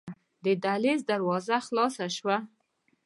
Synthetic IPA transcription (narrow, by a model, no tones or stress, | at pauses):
d̪əd̪alezd̪aɾwɑzaχlɑsaʃwa